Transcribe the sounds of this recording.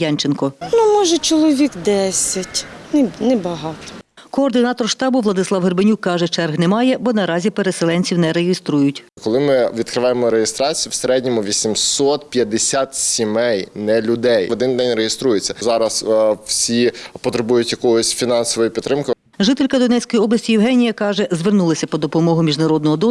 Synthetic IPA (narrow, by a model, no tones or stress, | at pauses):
jɑnʲt͡ʃenkɔnumɔʒɛt͡ʃɔlˠɔʋʲikd̪ɛsʲɐtʲnɛnɛbɐɦɑt̪ɔ̥ | kɔːrd̪ɪnɑt̪ɔrʃt̪ɑbʊʋlˠɐd̪ɪslˠɑwɦerbenʲukːɑʒɛt͡ʃɛrɦnɛmɑjɛbɔnɐɾɑzʲipeɾeselˠɛnʲt͡sʲiwnɛɾeɦɪst̪ɾujʊtʲkɔlˠɪmɪʋʲid̪kɾɪʋɑjemɔɾejest̪ɾɑt͡sʲijuwseɾɛdʲnʲɔmʊʋʲisʲimsɔt̪pʲjɐd̪esʲat̪sʲimɛjnɛlʲʊd̪ɛjɔd̪ɪnd̪ɛnʲrejest̪ɾujet͡sʲːɐzɑɾɐswsʲipɔt̪ɾebujʊtʲjɐkɔɦɔsʲfʲinɑnsɔʋɔjipʲit̪ːɾɪmkɪ | ʒɪt̪elʲkɐd̪ɔnɛt͡ssʲkɔjiɔblˠɐsʲtʲijɪwɦɛnʲijɐkɑʒɛzʋernulˠɐsʲɐpɔd̪ɔpɔmɔɦʊmʲiʒnɐɾɔd̪̚nɔɦɔd̪ɔ